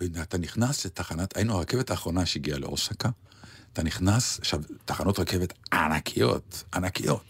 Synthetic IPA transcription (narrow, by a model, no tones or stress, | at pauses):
neat̪aniχnaslet̪aχanot̪ainuaʁake̞ve̞taːχʁo̞naʃeiɡialḛʔosaka | t̪aniχnasaχʃavt̪aχano̞t̪ʁake̞vet̪anakʰijo̰t̪anakijo̞̰t